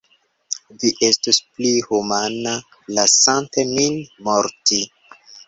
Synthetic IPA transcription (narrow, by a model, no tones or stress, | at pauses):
viʔe̞stusplihumana | lasantemilmoɾti